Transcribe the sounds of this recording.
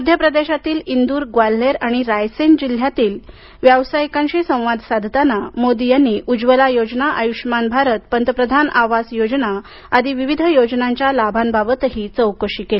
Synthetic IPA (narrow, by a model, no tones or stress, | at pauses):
əd̪ʱjəpɾəd̪eɕat̪iːlind̪uːɾɡʋalːeɾaɽ̃iɾajsend͡ʑil̤jat̪iːl | ʋjəʋsajkãɲt͡ɕisə̃w̃ʋad̪ʱsad̪ʱt̪anamod̪ijanːiːʔud͡ʑʋəlajod͡znaʔəjuʂmanbʱaɾət̪pənt̪əpɾəd̪ʱanʔaʋasjod͡ʑna | ad̪ʱiʋiʋid̪ʱjod͡znaɲt͡ɕjalabʱanbabət̪ɦiːt͡səwkəʂiːkele